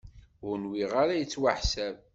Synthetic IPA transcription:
ʁnwiʁaɾajət͡sːwaħsæv

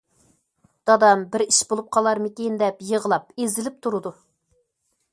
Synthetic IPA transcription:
d̪̥ɑd̪ɑmbɪɾiʃbolˠup̚qʰɑlˠɑɾmɪkʲend̪ɛpjəʁəlˠɑp̚ezɪlɪp̚t̪ʰuɾɨd̪u

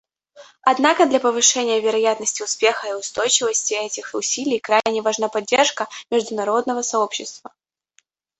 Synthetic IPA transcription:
ɐd̪nakəd̪lʲɐpəvɨʂɛnʲɪjəvʲɪɾɐjat̪nəsʲtʲɪʊspʲe̞xəɪʊst̪o̞jt͡ɕɪvəsʲtʲɪɛtʲɪxʊsʲilʲɪjkɾanʲɪvɐʐnapɐdʲːerʂkəmʲɪʐd̪ʊnɐɾo̞d̪nəvəsɐo̞pɕːɪst̪və

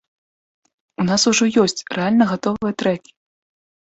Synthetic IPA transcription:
unasuʐɔjɔsʲt͡sʲrʔɛalʲnɐɣat̪ɔvɨjɐt̪ɾɛkʲi̥

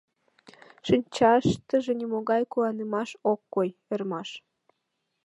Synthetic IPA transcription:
ʃinʲt͡ɕɑʃt̪əʒenimoɣɑjkuwɑnəmɑʃokːojermɑʃ

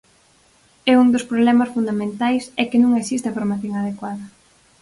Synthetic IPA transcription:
ɛund̪ospɾoβlɛmasfund̪amẽnt̪ajsɛkɪnũŋesist̪ɪafoɾmaθjoŋað̞ekwaðɐ

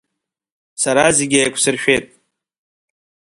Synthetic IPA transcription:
saɾazeɡʲajkʷʰsɨrʃᶣejtʼ

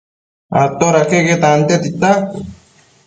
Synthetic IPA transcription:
at̪oɾakeket̪ant̪et̪it̪ak

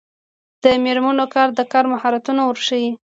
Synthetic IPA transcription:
d̪̥əmeɾmanokɑɾd̪əkɑɾmahɑɾat̪unowəɾʃawi

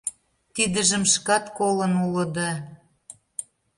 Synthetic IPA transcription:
t̪id̪əʒə̆mʃkɑt̪kolɤ̆nulə̆d̪ɑ

